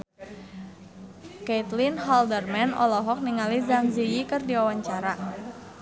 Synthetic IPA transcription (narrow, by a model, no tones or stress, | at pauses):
ket̪linɦaldərmɛnɔ̰lɔɦɔk̚niŋalizaŋzijikɨrdiwawaɲt͡ʃaɾa